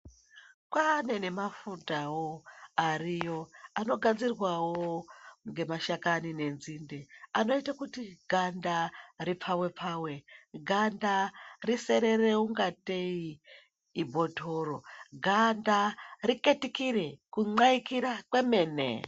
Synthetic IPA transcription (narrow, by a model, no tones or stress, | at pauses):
kwane̞ne̞mafutawoarijo̞ano̞ɡʱad͡zirwawoŋɡe̞maʃakanine̞nzindeano̞itakutiɡʱandarip͡fʰawe̞pʰaːwe̞ɡʱandarise̞ɾe̞re̞uŋɡate̞iː | bʱo̞tʰo̞ːɾo̞ɡʱandarike̞tikiɾe̞kuŋ͡ǀaikiɾakwe̞me̞ːnḛ